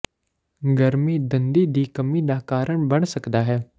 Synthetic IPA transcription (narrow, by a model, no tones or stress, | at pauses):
ɡəɾmiːd̪ənd̪iːd̪iːkəmiːd̪aːkaːɾəɳbəɳ̃səkd̪aːɦɛː